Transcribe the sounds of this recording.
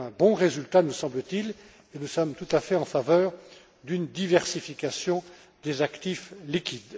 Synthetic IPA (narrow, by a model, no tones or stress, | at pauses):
ɛ̃bɔ̃ʁezylt̪anusɑ̃blət̪il | enusɔmt̪ut̪afɛɑ̃favœːʁ | d̪ynd̪ivɛʁsifikasjɔ̃ | d̪ezakt̪iflikʲid̪